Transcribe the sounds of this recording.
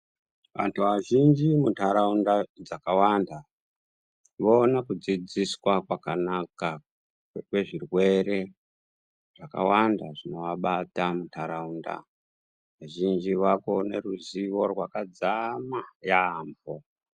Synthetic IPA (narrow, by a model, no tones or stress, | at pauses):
ʋa̰ntʰuʋaʒind͡ʒimutʰaɾaundad͡zakawanda | ʋoːnakud͡zid͡ziswakwakanaka | kwe̞ʐirwe̞ɾe̞ | ʐ̥aka̰wandaʐino̞ʋaɓatamutʰaɾaunda̰ | ʋaʒind͡ʒiʋakone̞ruziʋo̞rwakad͡zamajaɱvo